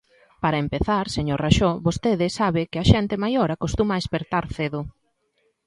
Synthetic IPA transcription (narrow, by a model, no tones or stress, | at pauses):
paɾɐempeθaɾseɲoɾraʃoβost̪eðɪsaβɪkɪaʃɛnt̪ɪmajoɾakost̪umaespeɾt̪aɾθeðʊ